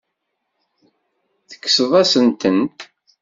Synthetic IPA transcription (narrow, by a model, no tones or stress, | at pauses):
θə̥kːsəðˤæsənt̪ən